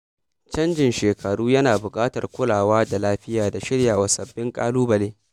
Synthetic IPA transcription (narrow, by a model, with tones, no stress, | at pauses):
t͡ʃɐ˦nd͡ʒɪ˨nʃeː˨kʰɐ˨ɽuː˦jɐ˦naː˨bʊ˨kʼaː˦tɐ˨rkʷʊ˦laː˨waː˦da˨laː˦ɸɪ˦jaː˨da˨ʃɪ˦ɽjaː˨wa˨sɐ˨bːɪ˦ŋkʼaː˦luː˦bɐ˨leː˦